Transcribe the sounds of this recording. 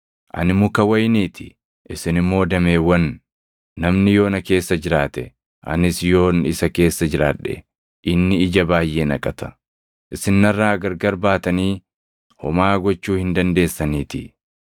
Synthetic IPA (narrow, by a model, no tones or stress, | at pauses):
ʔɐ̰nɪmːʊkɐwɐjniːt̪ʰɪ̥ | ʔɪsɪnɪmːo̞ːd̪ɐmeːwɐnː | ɐmnɪjo̞ːnɐke̞ːsːɐd͡ʒɪɾaːt̪ɛ | ʔɐ̰nɪsjo̞ːnɪsɐke̞ːsːɐd͡ʒɪɾa̰ːᶑɛ̰ | ʔɪnːɪɪd͡ʒɐbaːjʔeːnɐ̰kʼɐt̪ɐ̥ | ʔɪsɪnːɐrːaːɡɐɾɡɐɾbaːt̪ɐniː | hɔmaːɡɔt͡ʃːuːhɪnd̪ɐnd̪e̞ːsːɐniːt̪ɪ